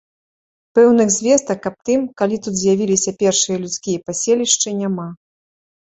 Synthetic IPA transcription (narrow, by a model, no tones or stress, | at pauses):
pɛwnɨɣzʲvʲɛst̪ɐkːɐp̚t̪ɨmkalʲit̪ut̪zʲjavʲilʲisʲɐpʲɛrʂɨjɐlʲut̪skʲijɐpasʲelʲiʂt͡ʂɨnʲama